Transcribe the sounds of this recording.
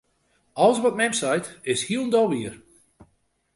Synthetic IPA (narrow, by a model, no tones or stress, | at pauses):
ɔlˠəsʋɔt̚mɛmsajtɪshiəlˠndɔlˠʋiər